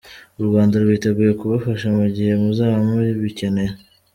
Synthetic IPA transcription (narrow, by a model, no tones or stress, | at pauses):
uɾɡwaːndaɾuβwiteɡuːje̞kuβafaʃamuɟihe̞muzaːβamuɾiβice̞neɾ